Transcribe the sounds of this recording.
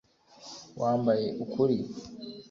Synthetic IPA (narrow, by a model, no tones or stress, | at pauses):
wʔaːmbajeʔukuɾi